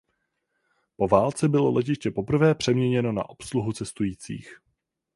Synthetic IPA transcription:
po̞vaːlt͡sɛbɪlo̞lɛc̬ɪʃcɛpo̞pr̩vɛːpr̝̥ɛmɲɛɲɛno̞na̰ʔo̞psluɦut͡sɛst̪ujiːt͡sḭːx

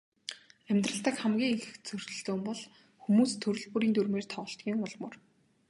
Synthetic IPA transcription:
æmʲt̪rə̆ɬt̪ə̆kχæmɡʲiːŋexɘ̆xt͡sʰɵr̥ʲt͡ɕɵ̆ɮoːmpɔɮ | xumuːst̪ʰːɵɾɵ̆ɮpuːɾiːnt̪urmeːr̥t̪ʰɔʁɞ̆ɬt̪ɡʲiːŋʊɮmɵ̰̆r

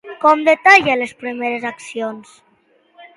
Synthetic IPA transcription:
kɔmd̪et̪aʎəlespɾimeɾezaksions

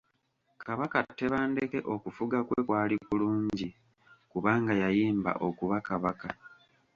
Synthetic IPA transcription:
kʰaβakatːe̞βaːnde̞ke̞ʔo̞kufuɡakwekwaːlikuluːɲɟi | kuβaːŋɡajajiːmba̰ʔo̞kuβakaβaka

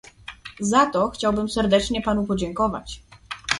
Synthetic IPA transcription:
zat̪ɔxt͡ɕawbɘmsɛɾd̪ɛt͡ʂɲɛpanupɔd͡ʑɛŋkɔva̰t͡ɕ

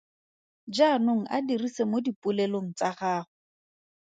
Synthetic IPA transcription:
d͡ʒanoŋ̩ʔadirisemodipʼʊleloŋ̩t͡saχaːχʊ

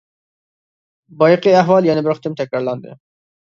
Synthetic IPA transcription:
bɑjqiæɦwɑlˠjɛnɪbɪɾχɨ̥t̪ɨmt̪ʰɛkʲɾɑɾlˠɑnd̪ɨ̰

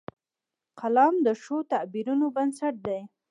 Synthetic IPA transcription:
qalɑmd̪əʃot̪abiɾunobansaʈ̚d̪aj

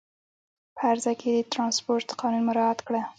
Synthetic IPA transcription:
pʰəaɾzaked̪ət̪ɾɑnspoɾʈt̪qʰɑnunmʊɾɑat̪kɽa

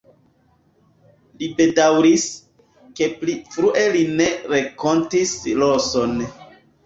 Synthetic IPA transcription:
libe̞dawɾis | ke̞plifɾuʔe̞line̞ɾeko̞ntisloson

